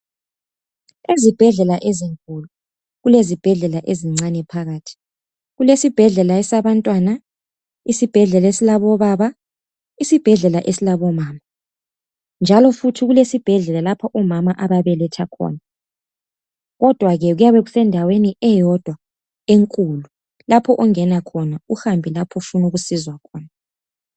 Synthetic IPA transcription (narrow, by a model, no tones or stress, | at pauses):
ezib̥ʱɛɮɛlaʔeziŋkʼulu | ɣulezib̥ʱɛɮɛlaʔeziŋ͡ǀanɛpʰaɣaːtʰi̥ | ɣulesib̥ʱɛɮɛlaɛsaβantʼwana | isib̥ʱɛɮɛlesilaβɔβaβa | isib̥ʱɛɮɛlaʔesilaβɔmaːma | nd͡ʒʱalɔfutʰiɣulesib̥ʱɛɮɛlalapʰɔʔɔmamaʔaβaβɛlɛtʰakʰɔ̰ːna | ɣɔd̥ʱwaɣɛɣujaβeɣusɛndʱaweniɛjɔd̥ʱwa | eŋkʼulu | lapʰɔʔɔŋɛnakʰɔnauhambʱilapʰɔfunuɣusizwakʰɔːna